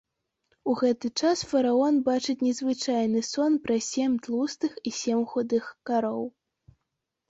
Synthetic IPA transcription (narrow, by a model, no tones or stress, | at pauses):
uɣɛt̪ɨt͡ʂasfɐɾaɔnbat͡ʂɨt͡sʲnʲɛzvɨt͡ʂajnɨsɔnpɾɐsʲɛmʲt̪lˠust̪ɨxisʲɛmxɔd̪ɨxkaɾɔw